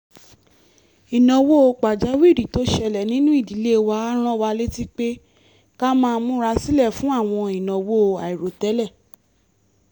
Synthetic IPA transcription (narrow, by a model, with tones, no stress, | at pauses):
i˨nɔ̃˨wo˦o˧k͡pa˨d͡ʒa˨˦wi˦˨ɾi˨to˨˦ʃɛ˧lɛ˨nĩ˦nũ˦i˦˨di˨˦le˦˧wa˧˦a˦ɾ̃ã˦˨wa˧le˦ti˦k͡pe˦ | ka˦mãː˦˧˦mũ˦ɾa˧˦si˦lɛ˦˨fũ˦a˦˨w̃ɔ̃˧i˨nɔ̃˨wo˦˧a˨i˨ɾo˨tɛ˨˦lɛ˦˨